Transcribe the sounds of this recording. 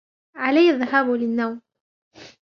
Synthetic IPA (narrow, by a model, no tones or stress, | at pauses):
ʕalajːaðːaɦaːblɪnːawm